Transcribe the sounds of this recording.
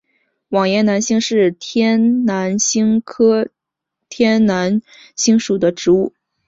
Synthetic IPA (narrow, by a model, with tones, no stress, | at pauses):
wɑ˨˩ŋjɛ˧˥˩na˧˥nɕi˥ŋʂɻ̩˥˩t̪ʰɛ˥nna˧˥nɕi˥ŋkʰɤ˥ | t̪ʰjɛ˥nna˧˥n | ɕi˥ŋʂu˨˩d̪ə˦ʈ͡ʂɻ̩˧˥u˥˩